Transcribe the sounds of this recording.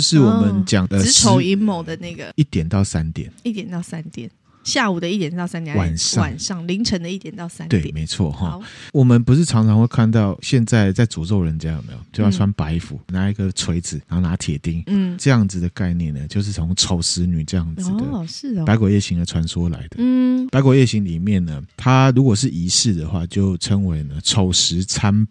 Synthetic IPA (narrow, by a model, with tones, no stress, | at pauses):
ʂɻ̩˥˩wɔ˨˩mə˦nt͡ɕjɑ˨˩ŋə˧˥o˨˥˦ʊi˧˥nmo˨˦ʊd̪ə˨na˥˩ɡə˩i˥˩t̪jɛ˨˩nt̪ɑ˥˩ʊsa˦nt̪jɛ̰˨˩˦ni˥˩t̪jɛ˨˩nt̪ɑ˥˩ʊsa˦nt̪jɛ˨˩˦n | ɕja˥˩u˨˩d̪ə˦i˥˩t̪jɛ˨˩nt̪ɑ˥˩ʊsa˥nt̪jɛ˨˩˨wa˨˩˨nʂɑ˥a˨˩nʂɑ˥˩ŋli˧˥ŋʈ͡ʂʰə˧˥ŋd̪ə˧i˥˩t̪jɛ˨˩nt̪ɑ˥˩ʊsa˥nwe˥˩ɪ˨me˧˥ɪt͡sʰwɔ˥˩xɔ˥˧wɔ˨˩mə˦npu˧˥ʂ̬̩˥˩t͡sʰɑ˧˥ŋt͡sʰɑ˧˥ŋxwe˥˧kʰa˥˧nt̪ɑ˥˨ʊɕjɛ˥˧nt͡sa˥˧ɪt͡sa˥˩ɪt͡su˨˩t͡so˥˩ʊɻə˧˦nt͡ɕja˦˥jo˨˩mḛ˧˥jo̰˨˩˧t͡ɕjo˥˧ʊjʰwa˧˥npa˧˥ɪfṵ˨˩˦na˧˥i˧˥ɡə˨t͡sʰwe˧˥ɪd͡zɹ̩˨˩na˧˥ho˥˩na˨˧˥t̪ʰjɛ̰˨˩t̪i˧˥˩ŋ̩˥˩ʈ͡ʂɤ˥˧jɑ˥˩ŋd͡zɹ̩˨˩d̪ə˩ka˥˧ɪnjɛ˥˩nə˩t͡ɕjo˥˧ʊʂ̬̩˥˩t͡sʰo˧˥ŋʈ͡ʂʰo˨˩ʊʂɻ̩˧˥ny˨˩ʈ͡ʂɤ˥˧jɑ˥˩ŋd͡zɹ̩˨˩d̪ə˩ʂɻ̩˥˩dpa˧˥ɪkwɔ˨˩jɛ˥˩ɕi˧˥ŋə˧ʈ͡ʂʰwa˧˥nswɔ˦la̰˨˧˦ɪd̪ə˦˥˩pa˧˥ɪkɔ˨˩jɛ˥˩ɕi˧˥ŋli˨˩mjɛ˥˩nnə˩t̪ʰa˦ɻu˧˥kwɔ˨˩ʂɻ̩˥˩ʔi˧˥sɻ̩˥˩d̪ə˩xwa˥˧t͡ɕjo˥˩ʊʈ͡ʂʰə˦ŋwe˧˥ɪnə˧ʈ͡ʂʰo˨˩ʊʂɻ̩˧˥t͡sʰa˦n